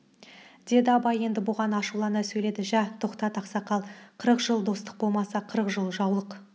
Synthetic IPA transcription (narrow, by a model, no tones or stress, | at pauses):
d̪̥e̞d̪ɪɑpɑje̞nd̪ɪbʊʁɑnɑʃulˠɑnəsɵjle̞d̪ɪʒæt̪ʰo̞qt̪ɑt̪ɑqsɑqɑlˠqʰəɾəqʒ̥əlˠd̪o̞st̪ə̥q̚bo̞lˠmɑsɑqʰəɾəqʒəlˠʒɑwlˠəq